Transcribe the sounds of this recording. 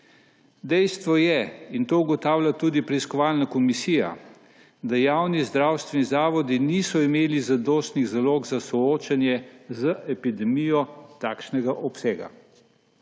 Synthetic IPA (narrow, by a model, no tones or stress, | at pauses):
d̪ɛjst̪ʋɔjɛint̪oːuɡɔt̪aːwljat̪uːd̪ipɾɛiskɔʋaːlnakɔmisiːja̰ | d̪ajaːwnizd̪ɾaːwst̪ʋɛnizaːʋɔd̪iniːsɔimeːlizad̪oːst̪niɣzaloːɡzasɔoːt͡ʃanjɛzəʔɛpid̪ɛmijɔt̪aːkʃnɛɡaʔɔpseːɡa̰